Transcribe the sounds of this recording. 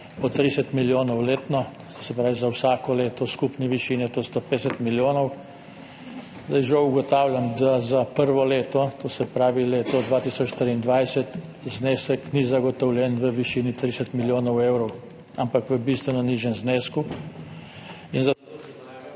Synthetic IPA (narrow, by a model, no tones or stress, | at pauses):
pɔt̪ɾisɛt̪miljoːnɔwleːt̪nɔ | sɛpɾaːʋizawsaːkɔleːt̪ɔskupniʋiʃiːnɛt̪oːst̪opesɛt̪miljoːnɔw | zd̪ajʒɛuɡɔt̪aːwljamd̪azapəɾʋɔleːt̪ɔt̪oːsɛpɾaːʋileːt̪ɔd̪ʋaːt̪isɔt͡ʃt̪ɾiːnd̪ʋajsɛt̪ | zneːsəknizaɡɔt̪ɔwlʲjɛnʋəʋiʃiːnit̪ɾisɛt̪miljoːnɔwewɾɔw | ampakʋəbist̪ʋɛnɔniʒjɛmzneːsku | inza